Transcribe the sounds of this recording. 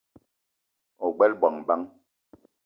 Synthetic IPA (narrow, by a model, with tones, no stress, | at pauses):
ɔ˨ɡ͡bɛ˦lbwa˨ŋba˦ŋ